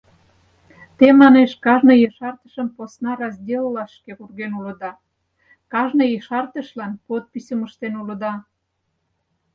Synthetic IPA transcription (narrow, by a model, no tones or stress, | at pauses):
t̪emɑneʃkɑʒnəjeʃɑrt̪ə̥ʃəmposnɑɾɑzʲdʲellɑʃkekurɣenulə̆d̪ɑ | kɑʒnəjeʃɑrt̪əʃlɑnpot̪̚pisʲəməʃt̪enuləd̪ɑ